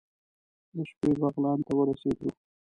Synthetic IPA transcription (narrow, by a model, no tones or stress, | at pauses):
d̪əʃpebɑɣlɑnt̪awəɾased̪u